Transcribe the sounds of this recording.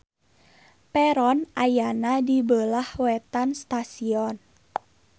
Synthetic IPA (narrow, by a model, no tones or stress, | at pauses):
pɛɾɔnʔajanadibəlahwɛt̪anst̪asiɔn